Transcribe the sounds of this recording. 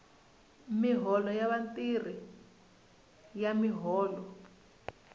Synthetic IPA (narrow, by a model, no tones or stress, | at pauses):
miɦɔlɔjaβantir̤i | jamiɦɔːlɔ